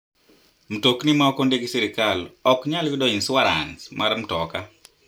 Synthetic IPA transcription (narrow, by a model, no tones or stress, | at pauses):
m̩toknimaɔkɔndeɡisiɾɪkalɔkɲalwidɔinswaɾa̰nsmʔaɾm̩tɔka